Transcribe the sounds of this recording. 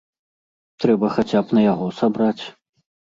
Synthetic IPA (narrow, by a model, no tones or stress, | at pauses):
t̪ɾɛbɐxat͡sʲapnɐjaɣɔsabɾat͡sʲ